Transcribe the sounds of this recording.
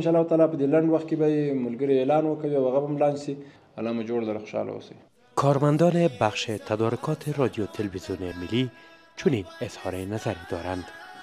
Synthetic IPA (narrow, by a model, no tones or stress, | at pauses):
nʃɑlːahwt̪ɑlɑpəd̪elaɳɖwaxt̪̚kebajemʊlɡəɾielɑnwəkawiawaɣabamlɑnsi | a̰lːɑmad͡ʒoɽlaɾaxoʃɑ̰la̰wo̰sej | kʰɔɾmand̪ɔnebaxʃet̪ʰad̪ɔɾʊkʰɔt̪ʰeɾɔd̪jot̪ʰɪlwizjunemɪlːi | t͡ʃʊninɪz̥hɔɾenazaɾed̪ɔɾand̪